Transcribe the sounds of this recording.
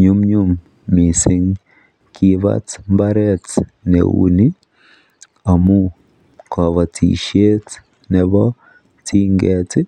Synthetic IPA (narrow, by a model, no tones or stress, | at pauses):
ɲumɲumː | isiŋ | kʰiβa̰t͡smbaɾet | nḛwṵni | amu | kʰoβatʰḭʃet | neβo | tʰiːŋɡeti